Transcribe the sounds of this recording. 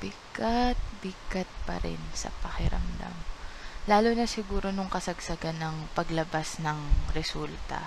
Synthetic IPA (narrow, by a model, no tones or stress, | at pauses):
b̥ɪkat̪̚bɪkɐt̪̚pɐ̰ɾɛ̰nsɐ̰pɐkɪɾɐ̰md̪a̰mlaːlonɐsɪɡuːɾo̞nʊŋkɐsɐɡsɐɡanːɐŋpɐɡlɐbasnɐŋɾɛsult̪ɐ̰